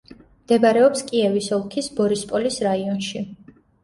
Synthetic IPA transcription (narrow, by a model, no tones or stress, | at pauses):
md̪̥ɛbaɾɛɔpskʼiɛvisɔlˠkʰisbɔɾispʼɔlisɾaiɔnʃi